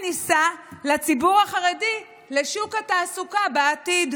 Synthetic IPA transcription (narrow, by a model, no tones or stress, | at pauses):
nisalat͡sibuʁaχaʁedi | le̞ʃukataːsukabeatid